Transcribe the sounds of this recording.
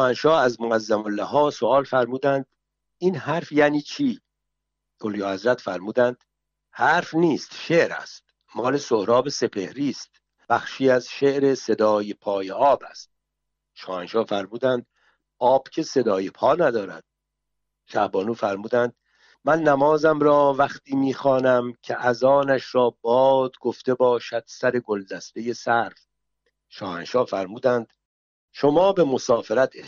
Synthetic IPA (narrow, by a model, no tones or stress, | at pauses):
ʃɔːhænʃɒːæzmoæzːæmolːæɦɒːsoɒːlfæɾmuːd̪ænd̪̥ | iːnhæɾfjæːniːt͡ʃʰiː | oljɒːhæzɾæt̪fæɾmuːd̪ænd̪̥ | hæɾfniːst̪ʃe̞ʔɾæ̰st̪̚ | mɒːle̞sohɾɒːbe̞se̞pʰe̞hɾiːst̪ | b̥æxʃiːæzʃe̞ʔɾe̞se̞d̪ɒːjepʰɒːjeʔɒːbæ̰st̪̚ | ʃɒːhænʃɒːfæɾmuːd̪ænd̪ | ɒːb̥cʰe̞se̞d̪ɒːjepʰɒːnæd̪ɒːɾæ̰d̪̥̚ | ʃæhbɒːnuːfæɾmuːd̪ænd̪̥ | mænːæmɒːzæmɾɒːvæχt̪ʰiːmiːxɒːnæmcʰeʔæzɒːnæʃɾɒːbɒːd̪ɡoft̪e̞bɒːʃæd̪̥sæɾe̞ɡo̞ld̪æst̪e̞je̞sæɾf | ʃɒːhænʃɒːfæɾmuːd̪ænd̪̥ | ʃo̞mɒːbe̞mo̞sɒːfeɾæt̪ʰ